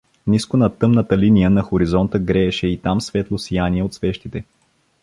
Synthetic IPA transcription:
niskonɐt̪ɤmnət̪əlinijənɐxoɾizɔnt̪əɡɾɛːʃɛit̪amsvɛt̪lˠosijaniɛot̪svɛʃt̪it̪ɛ

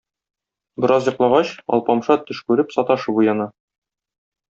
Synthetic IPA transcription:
bɘ̆ɾɑzjɤ̆qlˠɑʁɑɕɒ̰lˠpɑmʃɑt̪ɵ̆ʃkʉɾɘpsɒt̪ɑʃɤbujɑnɑ

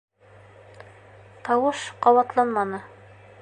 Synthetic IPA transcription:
t̪ɑwɤʃqɑwɑt̪lˠɑnmɑnɤ

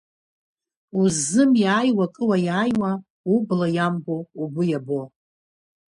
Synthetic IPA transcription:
uzːɨmjaːjwakʼɨwajaːjwa | ublajamboubujabo̞

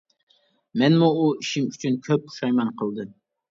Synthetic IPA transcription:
mɛnmuːiʃɪmyt͡ʃʰynkʲʰøp̚ːu̥ʃɑjmɑnqʰəlˠd̪ɨm

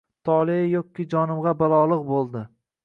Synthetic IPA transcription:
t̪ʰɒlˠeɪjok̚ʲkʲːid͡ʒɒnɪmʁɑbalˠɒlˠɨq̚bolˠd̪ɪ

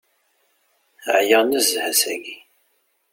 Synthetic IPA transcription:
ʕjænəzhæsæɡi

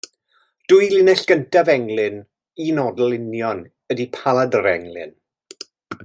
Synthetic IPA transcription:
d̥ʊɨlɪnɛɬɡ̥əntavɛŋlɪn | inɔdlˠɪnjɔn | ədipʰalˠadəɾɛ̰ŋlɪ̰n

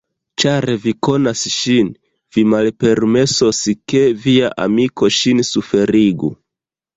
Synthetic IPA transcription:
t͡ʃaɾviko̞nasʃin | vimalpe̞ɾme̞soske̞viaʔa̰miko̞ʃinsufe̞ɾiɡṵ

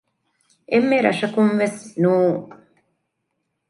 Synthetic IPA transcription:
ʔemːeɾɐ̰ʂɐkunʋesnuː

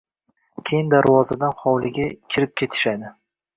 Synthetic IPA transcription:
kʲʰejɪnd̪aɾwɒzad̪anχɒwlɪɡʲakʲʰɪɾɪp̚kʲʰe̞t̪ʰɪ̥ʃad̪ɪ

